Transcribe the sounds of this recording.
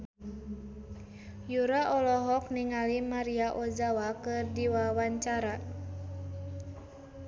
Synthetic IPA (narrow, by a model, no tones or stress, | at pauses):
juɾaʔɔlɔɦɔk̚niŋalimaɾiaʔɔd͡ʒawakɨrdiwawaɲt͡ʃaɾa